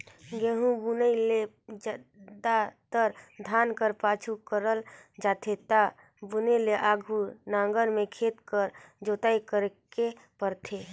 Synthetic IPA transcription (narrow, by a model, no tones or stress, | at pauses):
ɡeːɦũbunəile | d͡ʒəd̪at̪əɾd̪ʱaːnkəɾpaːt͡ʃʰukəɾəld͡ʒaːt̪ʰet̪a | buneleʔaːɡʱunãːŋɡəɾmẽkʰeːt̪kəɾd͡ʒoːt̪aːikəɾke | pəɾt̪ʰeː